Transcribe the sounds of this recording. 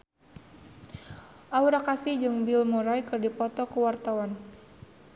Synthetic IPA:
ʔauɾakasihd͡ʒɨŋbilmoɾajkɨrdipɔt̪ɔkuwart̪awan

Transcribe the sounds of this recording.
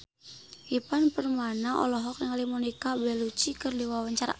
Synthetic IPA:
ipanpərmanaʔɔ̰lɔɦɔk̚jaŋalimɔnikabɛlut͡ʃikərdiwawaɲt͡ʃaɾa̰

